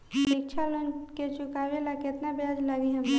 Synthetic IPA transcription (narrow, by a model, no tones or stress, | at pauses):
ɾik̚t͡ʃʰalonket͡ʃʊkaːʋelakɪt̪nabjaːd͡ʒlaɡiɦə̃me